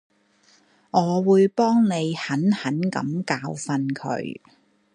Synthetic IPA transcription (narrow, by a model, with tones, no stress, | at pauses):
ŋɔː˨˧wuː˨˧jpɔː˥ŋne˨˧jhɐ˨˥nhɐ˨˥nkɐ̰˨˥mkaː˧wfɐ˧nkʰɵ̰˨˧˥ɥ